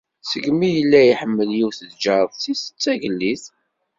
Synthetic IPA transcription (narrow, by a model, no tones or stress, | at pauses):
səɡmijəlːæjiħəmːəljiwθəðd͡ʒəɾˤðˤθisə̥t͡sːæʝəlːiθ